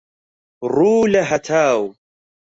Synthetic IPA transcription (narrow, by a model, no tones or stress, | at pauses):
ɾˤuːlaɦat̪ʰaːw